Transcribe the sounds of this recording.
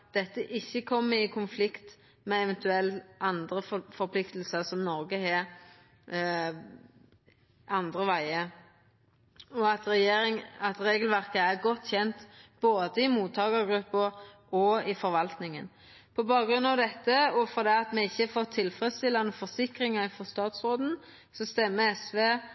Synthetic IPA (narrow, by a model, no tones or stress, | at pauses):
d̪̥ɛt̪ːəʔɪçːəkʰɔmːəɪkʰʊnflɪkt̪ | mɛɛʋɛnt̪ʉɛlɑnd̪ɾəffɔɾpʰlɪkt̪əlsəɾsɔmnɔɾɡəheː | ɑnd̪ɾəʋæɪə | ɔɑt̪ɾɛjeːɾɪŋɑt̪ɾeːɡəlʋæɾkəæɾɡɔt̪ːçɛnt̪b̥oːd̪əɪmuːt̪ʰɑːɡəɾɡɾʉpːəʔɔɪfɔɾʋɑlt̪nɪŋən | pʰɔbɑːɡɾʉnɑʋd̪ɛt̪ːəɔfɔɾd̪ɛːɑt̪mɛɪçːəfɔt̪ʰːɪlfɾɛst̪ɪlːɑnəfɔʁsɪkɾɪŋɑɪfɔst̪ɑːt̪sɾoːd̪n̩ | sɔst̪ɛmːəɛsʋeː